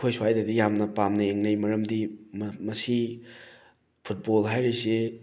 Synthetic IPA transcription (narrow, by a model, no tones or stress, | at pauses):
kʰojswajdadijamnɐpamnɐeŋnɐjmɐɾɐmdimmɐsi | pʰut̚bolɦajɾese